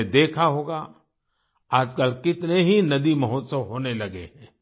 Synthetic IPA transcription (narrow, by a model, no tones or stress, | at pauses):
d̪eːkʰaɦoːɡa | aːd͡ʒkəlkɪt̪neɦinɐd̪imɐɦʊːt̪səʋɦoːnelɐɡḛɦɛ̃ː